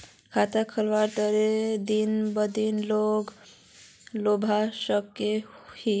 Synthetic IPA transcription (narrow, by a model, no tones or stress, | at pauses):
kʰat̪akʰəlʋaʈ̪əɾed̪inbəd̪inloɡ | lobʱasəkːehi